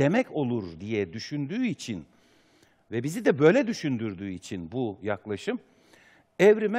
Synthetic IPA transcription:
emɛco̞lˠuɾd̪ijɛd̪yʃynd̪yːit͡ʃʰin | vɛbizid̪ɛbø̞ːjlʲɛd̪yʃynd̪yɾd̪yːit͡ʃʰinbujaklˠaʃɯm | ɛvɾimɛ

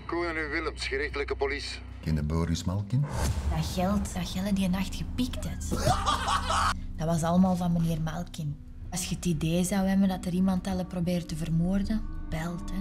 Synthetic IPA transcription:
kuːanyʋɪləmsxəɾɪxtələkəpolis | kɪndəboːɾismalˠkɪndɑɣɛlˠtɑxɛlˠədiənɑxtxəpiktɛt | d̥ɑʋɑsɑlˠəmaːlˠvɑnməneːrmalˠkɪn | ɑsxəətideːzɑwɛbəndɑtəɾimɑntɑlˠəprobeːɾətəvərmoːrdəb̥ɛlˠtɛ

